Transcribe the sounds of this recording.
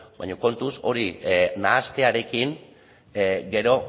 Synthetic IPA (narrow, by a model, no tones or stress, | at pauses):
bajɲoko̞nt̪uso̞ɾinaːst̪e̞aɾe̞kiŋ | ɡe̞ɾo̞